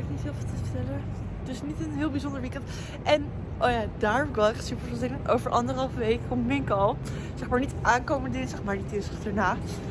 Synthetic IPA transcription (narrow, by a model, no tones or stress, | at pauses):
knitɦɪːlˠvɪlˠtəəɹtɛlə | d̥ɵsnitənɦɪːlˠbizondəɹʋikɛnt | ʔɛn | ʔowjaːdaːɹkʋɑlˠɛχtsypəɹvɪlˠzɪnəno̰wvəɹʔɑndəɾəɦɑlˠfəʋejkːɔmmɪŋkɑlˠ | z̥ɛχmaːɹnitʔaːnkowmənədɪnzɛχmaːɹditɪsəχtaːɹnaː